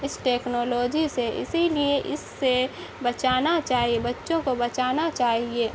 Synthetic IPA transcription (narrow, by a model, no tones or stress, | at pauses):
ɪsʈeːknoːloːd͡ʒiseɪ̰silieʔɪsːe | bɐt͡ʃaːnat͡ʃaːɦiebɐtːʃõkobɐt͡ʃaːnat͡ʃaːɦieː